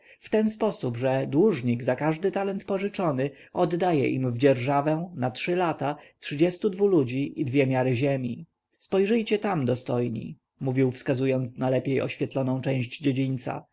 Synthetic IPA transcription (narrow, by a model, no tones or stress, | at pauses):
ft̪ɛnspɔsubʐɛd̪wuʐɲiɡzakaʐd̪ɘt̪alɛnt̪pɔʐɘt͡ʂɔnɘ | ʔɔd̪ːajɛ̰ʔḭmvd͡ʑɛɾʐavɛ̃natʂɘlat̪atʂɘd͡ʑɛst̪ud̪vulud͡ʑiʔid̪vʲjɛmʲjaɾɘʑɛmʲi | spɔjʐɘjt͡ɕɛt̪amd̪ɔst̪ɔjɲḭ | muvʲiwfskazujɔnt̪snalɛpʲjejɔ̰ɕfʲjɛt̪lɔnɔ̃w̃t͡ʂɛ̃w̃ʑd͡ʑd͡ʑed͡ʑiɲʲt̪sa̰